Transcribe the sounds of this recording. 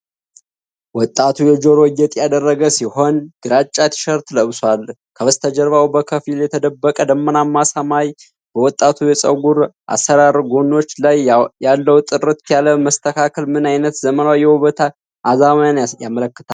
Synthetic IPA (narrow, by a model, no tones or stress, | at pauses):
wɔt̪ʼːat̪ʰujɛd͡ʒo̞ɾojːɛt̪ʼjad̪ərːəɡəsiho̞nɡ̥ɨɾat͡ʃʼːat̪ʰi̥ʃəɾt̪ləβswal | kʰəβəst̪ʰəd͡ʒəɾβawbəkʰəfiljɛt̪ʰəd̪əbːəkʼəd̪əmːənamːasamaj | b̥əwɔt̪ʼːat̪ʰujɛsʼə̰ɡuɾʔa̰sːəɾaɾɡo̞no̞t͡ʃːlajjalːəwt̪ʼɨrɨt̪kjaləməst̪ʰəkʰakʰəlmɨnajnət̪zəmənawjɛwuβət̪ʰa | ʔazamajanjamələkːɨ̥t̪ʰa